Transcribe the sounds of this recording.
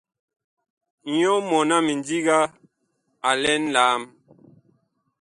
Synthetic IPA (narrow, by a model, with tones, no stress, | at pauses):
ɲɔ˦mɔ˨na˦mi˨ndi˦ɡa˦ | a˨lɛ˦nlaː˨˦m